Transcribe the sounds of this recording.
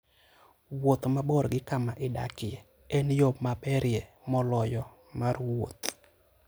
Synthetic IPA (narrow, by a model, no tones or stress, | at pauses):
wot̪mabɔɾɡɪkamaʔɪda̰kɪe | ɛnjopmapɛɾjemɔlɔjɔ | marwo̰t̪